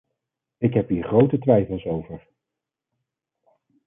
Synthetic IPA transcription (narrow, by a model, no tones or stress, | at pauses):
ɪkɦɛpiːɹχrowtətʋɛjfəlˠsowvəɹ